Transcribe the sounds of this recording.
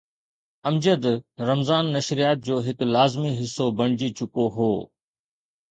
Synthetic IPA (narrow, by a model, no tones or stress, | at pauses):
ɐmd͡ʑəd̪ɾɐmzaːnːɐʃɾijaːt̪̚d͡ʑoːɦɪklaːzmiɦɪsːobɐɽ̃ɪd͡ʑit͡ɕʰʊkoɦoː